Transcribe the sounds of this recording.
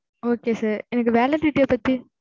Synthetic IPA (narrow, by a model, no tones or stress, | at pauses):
oːkeːsaːɾɛnɐk̬ːɯʋeːlɐʈ̪ːɪʈːepːɐt̪ːi